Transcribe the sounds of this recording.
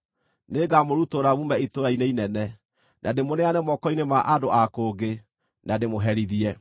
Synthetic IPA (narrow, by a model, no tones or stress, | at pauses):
neɡamoɾutoɾaβumɛitoɾaineinɛnɛ | nademonɛanɛmɔkɔinemaʔadoakoːɡe | nademoɦɛɾiðiɛ